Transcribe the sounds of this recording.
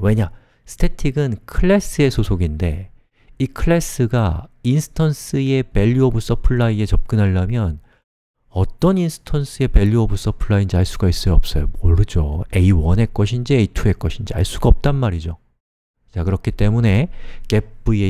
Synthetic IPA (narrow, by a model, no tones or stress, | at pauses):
we̞ɲa | sʰɯ̥tʰe̞tʰiɡɯnkʰɯɭːe̞s͈ʰɯe̞sʰosʰoɡinde̞̰ | ikʰɯɭːes͈ʰɯɡainsʰɯ̥tʰʌns͈ʰɯe̞pe̞ʎːuʌbus͈ʌpʰɯɭːaie̞t͡ɕʌp̚k͈ɯnɦaɭːamjʌn | ʌt͈ʌninsʰɯ̥tʰʌnsʰɯe̞pe̞ʎːuʌbus͈ʌpʰɯɭːaind͡ʑiaɭs͈uɡais͈ɯʌp̚s͈ʌjomoɾɯd͡ʑoeiwʌne̞k͈ʌɕʰind͡ʑieitʰue̞k͈ʌɕʰind͡ʑia̰ɭs͈uɡaʌp̚t͈anmaɾid͡ʑo | t͡ɕakɯɾʌkʰit͈e̞mune̞ke̞p͈̚ue